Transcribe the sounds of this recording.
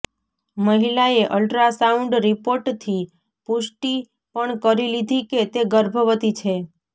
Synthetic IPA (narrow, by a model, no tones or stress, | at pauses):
məɦilaeʔəlʈɾasauɳɖɾipoɾʈt̪ʰi | puʃʈi | pəɳkəɾilid̪ʱiket̪eɡəɾbʱəʋət̪it͡ʃʰe